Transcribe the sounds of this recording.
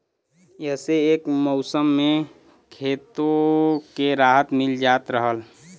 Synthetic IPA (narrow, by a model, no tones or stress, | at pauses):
jəɦseeːkmɔʊsəmːẽ | kʰeːt̪okeɾaːɦət̪mɪld͡ʒaːt̪ɾəɦəl